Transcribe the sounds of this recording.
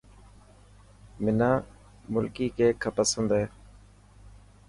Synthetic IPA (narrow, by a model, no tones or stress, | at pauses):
mɪnaː | mʊlkiːkeːkʰəpəsənd̪eː